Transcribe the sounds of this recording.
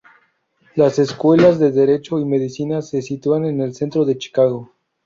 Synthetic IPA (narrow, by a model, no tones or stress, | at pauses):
lase̞skwe̞lazðeðe̞ɾe̞t͡ʃo̞ime̞ðisinase̞sit̪uane̞ne̞lse̞nt̪ɾo̞ðe̞t͡ʃi̥kaɣ̞o̞